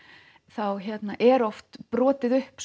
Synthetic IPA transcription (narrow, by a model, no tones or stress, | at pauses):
θawçɛt̪naʔɛɾɔft̪pɾɔːt̪ɪðʏhps